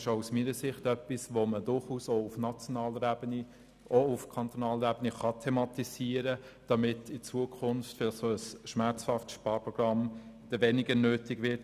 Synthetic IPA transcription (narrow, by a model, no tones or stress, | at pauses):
ʃousmiːɾəsɪχtœpːisʋomədʊɾχuːsoʊfnɑt͡sjonɑːləɾbəni | oʊfkʰɑnt̪onɑːləɾɛbəniχɑtʰɛmɑtisiːəɾə | d̥ɑmɪtɪt͡suəkʰʊnftfɪlsoəsʃmæɾt͡shɑftʃpɑːɾpʁɔɡ̥ʁɑmd̥əvɛnɪɡənøːtɪɡvɪɾt